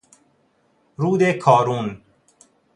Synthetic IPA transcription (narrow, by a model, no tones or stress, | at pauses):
ɾuːd̪ekʰɒːɾuːn